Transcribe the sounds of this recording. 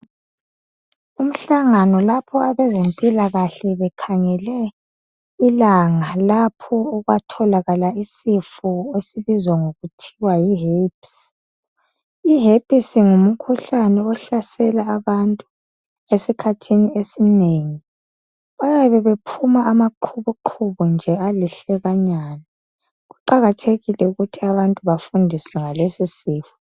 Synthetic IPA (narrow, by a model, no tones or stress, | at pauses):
um̩ɬaŋanɔlapʰɔaβɛzempʼilaɣaɬɛβɛkʰaŋɛlɛ | ilaŋalapʰɔːɣwatʰɔlaɣalaisifuesiβizwaŋoɣutʰiwajiɦeps | iɦepʼisiŋumukʰuɬanɛɔɬasɛlaːβantʼu | esikʰatʰiniesineːŋi | ajaβɛβepʰumaːmaǃʰuβuǃʰuβund͡ʒʱɛaliɬɛɣaɲaːna | ɣuǃaɣatʰeɣilɛuɣutʰiaβantʼuβafundʱiswɛŋalesisiːfu̥